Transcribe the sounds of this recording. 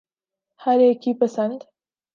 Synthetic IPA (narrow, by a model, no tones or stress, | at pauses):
haɾekipɐsand̪